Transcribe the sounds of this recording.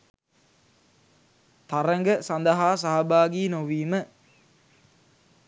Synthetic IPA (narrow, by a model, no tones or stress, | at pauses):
t̪aɾəŋɡəsand̪əɦaːsaɦɐbaːɡiːnoʋiːmə